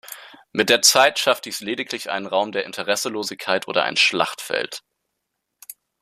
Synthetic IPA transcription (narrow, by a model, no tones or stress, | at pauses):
mɪt̚d̥eːɐt͡saɪtʃafd̥iːsleːdɪkʰlɪçʔa̰ɪnənʁaʊmdeːɐʔɪntʰəʁ̞ɛsəloːzɪçkʰːaɪtʔo̰ːdɐ̰ʔa̰ɪnʃla̰χtfɛ̰lt